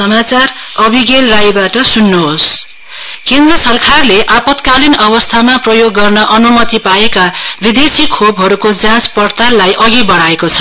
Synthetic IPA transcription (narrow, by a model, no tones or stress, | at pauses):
sʌmat͡sarʌbʱiɡelrajbaʈʌsunːoɦos | kend̪rʌsʌrkʰarleʔapʌt̪kalinʌbʌst̪ʰamaprʌjoɡːʌrnʌʔʌnumʌt̪ipaekabid̪esikʰobʱɦʌɾukod͡zãt͡spʌrt̪alajʔʌɡibʌɽaekot͡sʰʌ̥